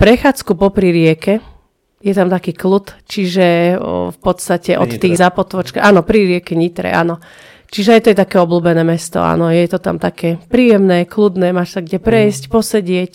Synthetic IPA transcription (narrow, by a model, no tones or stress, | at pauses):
pɾɛxaːt͡skupɔpɾiɾɪɛkɛ | jɛt̪amt̪akiːklut̪t͡ʃiʒɛfpɔt̪st̪acɛʔɔ̰t̪t̪ːiːɣzaːpɔt̪ʋɔt͡ʃkaaːnɔpɾiɾɪɛkɛɲit̪ɾɛ̰ʔa̰ːnɔ | t͡ʃiʒɛajt̪ɔjɛt̪akɛːɔbluːbɛnɛːmɛst̪ɔ̰a̰ːnɔjɛt̪ɔt̪a̰mt̪akɛpɾiːjɛmnɛːklud̪nɛːmaʃsaɡɟɛpɾɛjscpɔsɛɟɪɛc